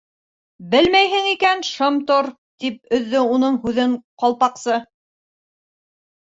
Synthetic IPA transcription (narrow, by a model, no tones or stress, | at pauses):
bɘlmæjɦɘŋikænʃɤmt̪oɾ | t̪ip̚ɵ̆ðːɵunɤɴhʉðɘɴqɑlˠpɑqsɤ